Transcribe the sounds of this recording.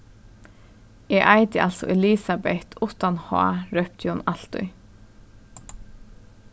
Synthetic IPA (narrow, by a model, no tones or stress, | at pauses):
ɛʔaɪt̪ɪʔalt̪sɔ̰ʔɛliːsabɛht̪ʰʊt̪anhɔ̰a̰ɾœp̚t̪ʰjonal̥t̪ʊ̰j